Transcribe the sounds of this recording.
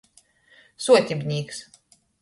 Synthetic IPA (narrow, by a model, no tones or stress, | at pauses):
suɔt̪ʲibʲnʲiːks